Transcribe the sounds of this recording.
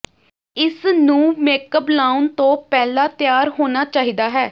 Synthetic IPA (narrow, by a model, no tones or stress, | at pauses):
ɪsnũːmeːkəblaːʊnt̪õːpɛːlaːt̪ɪjaːɾɦoːnaːt͡ʃaːɦiːd̪aːɦɛː